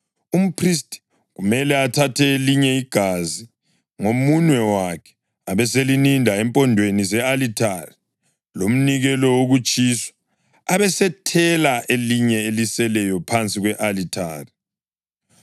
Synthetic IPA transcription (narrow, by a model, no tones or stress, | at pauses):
um̩pʰristʼi̥ | ɣumɛlɛatʰatʰɛeliɲɛiɡ̥ʱazi | ŋomuɲwɛwakʰɛ̥ | aβɛselinindʱaɛmpʼɔndʱwenizɛalitʰari | lom̩niɣɛlɔwoɣut͡ʃʼiswḁ | aβɛsɛtʰɛlaʔeliɲɛelisɛlɛjɔpʰant͡sʼiɣwɛʔalitʰaːri